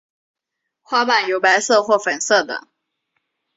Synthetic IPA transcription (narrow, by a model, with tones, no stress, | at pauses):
xwa˥pa˨˩njo˧˥ʊpa˧˥ɪsɤ˥˧xwɔ˥˩fə˨˩nsɤ˥˩d̪ə̰˨˩˦